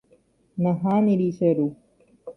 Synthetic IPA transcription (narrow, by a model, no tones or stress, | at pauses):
nɐɦaːniɾisɐɾu